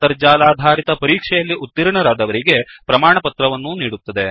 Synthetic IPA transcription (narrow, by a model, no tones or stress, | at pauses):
ɐɾd͡ʒaːlaːd̪ʱaːɾit̪ɐpɐɾiːkʂɛjɐlːiʔut̪ːiɾɳɐɾaːd̪ɐʋɐɾiɡe̞pɾɐmaːɳɐpɐt̪ɾɐʋɐnːuniːɽut̪ːɐd̪e̞